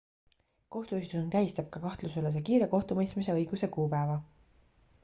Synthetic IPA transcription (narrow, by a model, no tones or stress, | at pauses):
ko̞ht̪uyst̪unk̪æjst̪ɑb̥̚kɑkɑht̪lusylːes̬ekiːɾe̞ko̞ht̪umɤjst̪mise̞ɤjɡ̥use̞kuːpæevɑ